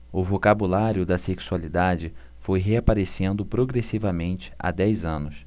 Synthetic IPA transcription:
ʊvokabulaɾjʊd̪ɐseksualid̪ad͡ʒɪ | fojɦeapaɾesẽnd̪ʊpɾoɡɾesivɐmẽnt͡ʃɪ̥a̰d̪ɛjzɐ̃nʊs

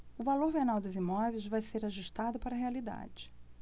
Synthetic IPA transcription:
ʊvaloɾbenawd̪ɐzimɔvejzvajseɾaʒuʃt̪ad̪ʊpaɾɐɦealid̪a̰d͡ʒɪ

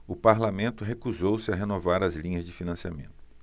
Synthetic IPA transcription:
ʊpaɾlamẽnt̪ʊɦekuzowsɪɐɦenovaɾɐzlĩɲɐzd͡ʒɪfinɐ̃siamẽnt̪ʊ̥

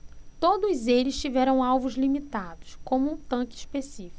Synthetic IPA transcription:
t̪od̪ʊzelɪst͡ʃivɛɾɐ̃w̃awvʊzlimit̪ad̪ʊskõmʊũt̪ɐ̃kɪʃpesifi̥

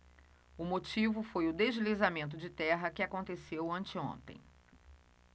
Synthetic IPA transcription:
ʊmot͡ʃivʊfojʊd̪ezlizamẽnt̪̬ʊd͡ʒɪt̪ɛɦɐkɪakõnt̪esewɐ̃nt͡ʃɪõ̰nt̪ḛ̃j̃

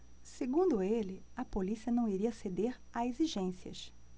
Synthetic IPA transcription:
seɡũd̪ʊelɪɐpolisiɐnɐ̃w̃iɾiɐsed̪eɾ | aeziʒẽsiɐ̰ʃ

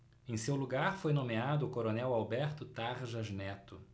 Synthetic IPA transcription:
ẽj̃sewluɡaɾfojnõmead̪ʊːkoɾonɛwawbɛɾt̪ʊt̪aɾʒɐʒnɛt̪ʊ

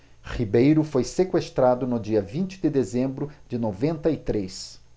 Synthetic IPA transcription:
χibejɾʊfojsekwest̪ɾad̪ʊnʊd͡ʒiɐvĩnt͡ʃɪ̥d̪ɪd̪ezẽmbɾʊd͡ʒɪnovẽnt̪ɐit̪ɾes

